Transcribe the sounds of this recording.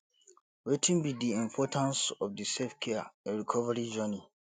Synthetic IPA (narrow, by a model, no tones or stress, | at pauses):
wetʰĩnbidiĩmpʰɔtʰãnsɔfdisefkʰɛɛ̃ɹikʰɔvaɹid͡ʒɔni